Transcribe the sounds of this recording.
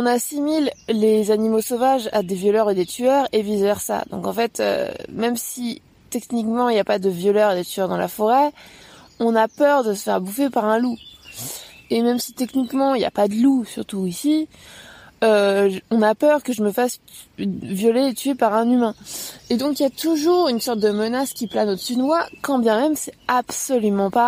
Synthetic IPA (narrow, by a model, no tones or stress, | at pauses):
ɔ̃nasimillezanimosovaʒa̰d̪evjɔlœʁed̪et̪ʰyœʁevizvɛʁsa̰d̪ɔ̰̃kɑ̃fɛt̪ʰø̰mɛmsi | t̪ɛknikmɑ̃iljapad̪əvjɔlœʁed̪ət̪yœʁd̪ɑ̃la̰fɔʁɛ | ɔ̃napœʁd̪əsə̥fɛʁbufepaʁɛ̃lu | emɛmsi̥t̪ɛknikmɑ̃ilja̰pad̪əlusyʁt̪uisi | øɔ̃napœʁkəʒəməfas | vjɔleːt̪ʰyepaʁɛ̃nymɛ̃ed̪ɔ̃kiljat̪uʒuʁynsɔʁt̪̚d̪əmənaskʲiplanod̪əsyd̪əwakɑ̃bjɛ̃mɛmsɛabsɔlymɑ̃pa